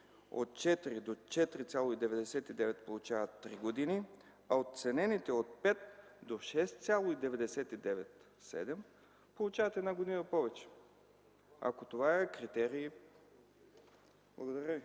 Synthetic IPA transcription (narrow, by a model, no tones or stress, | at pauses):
o̰t̪̚t͡ʃɛt̪iɾid̪ot͡ʃɛt̪ɾit̪sʲjalˠoid̪ɛvɛd̪ɛsɛt̪id̪ɛvɛt̪polˠut͡ʃavət̪ːɾiɡod̪ini | aot̪̚t̪sɛnɛnit̪ɛot̪̚pɛt̪d̪oʃɛst̪t̪sʲjalˠoid̪ɛvɛd̪ɛsɛt̪id̪ɛvɛt̪ | sɛ̰d̪ɛm | polˠut͡ʃavət̪ɛd̪naɡod̪inəpɔvɛt͡ʃɛ̥ | a̰kot̪ovaɛkɾit̪ɛɾiː | blˠɐɡod̪aɾəi